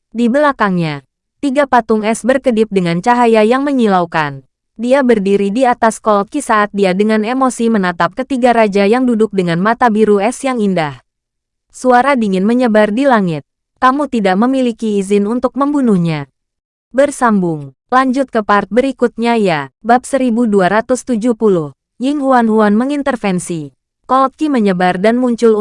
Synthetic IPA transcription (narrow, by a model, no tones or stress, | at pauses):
dibəlakaŋɲa | t̪iɡapat̪ʊŋɛsbərkədɪp̚dəŋant͡ʃaɦajajaŋməɲilaukan | diabərdiɾidiat̪askɔlt̪̚kisaːt̪̚diadəŋanemosimənat̪ap̚kət̪iɡaɾad͡ʒajaŋdudʊk̚dəŋanmat̪abiɾuɛsjaŋindah | suaɾadiŋɪnməɲəbardilaŋɪt̪̚ | kamut̪idaʔməmilikiːzɪnunt̪ʊk̚məmbunuhɲa | bərsambʊŋ | laɲd͡ʒʊt̪̚kəpart̪̚bəɾikut̪̚ɲajabap̚səɾibuduaɾat̪ʊst̪ud͡ʒuhpulʊh | jɪŋhuanhuanməŋint̪ərfɛnsi | kɔlt̪̚kiməɲəbardanmuɲt͡ʃʊl